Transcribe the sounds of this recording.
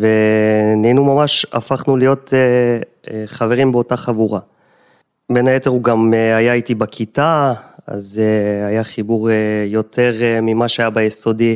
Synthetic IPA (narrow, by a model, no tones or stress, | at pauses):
veninumamaʃa̰faχnulijo̞te | χave̞ʁimbeo̞taχavuʁa | benajeteʁuɡameajaitibakʰitaa̰zeajaχibuʁjo̞tʰe̞ʁmimaʃeajabajeso̞di